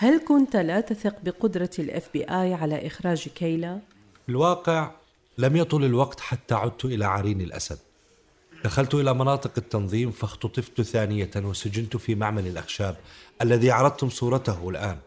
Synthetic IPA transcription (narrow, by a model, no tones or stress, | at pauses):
halkʊnt̪lat̪aθɪqbɪqʊd̪ɾˤɑlʔɛ̰fbḭːʔaːjʕalaʔɪxɾˤɑːd͡ʒkajla | fɪlwɑːqɪʕ | lamjɑt̪ˤʊlɪlwɑqt̪ħat̪ːaʕʊd̪̚t̪ʊʔɪlaʕaɾiːnɪlʔa̰sad̪̚ | d̪̥axalt̪ʊʔɪlamɑnɑːt̪ˤɨqɪt̪ːɑnðˤiːmfaxt̪ʊt̪ˤɨft̪ʊθaːnɪjawɪsad͡ʒɪnt̪ʊfimaʕmalɪlʔaxʃaːb̚ʔalːaðiʕɑɾˤɑd̪̚t̪hʊmsˤuːɾˤɑt̪ahɪlʔaːn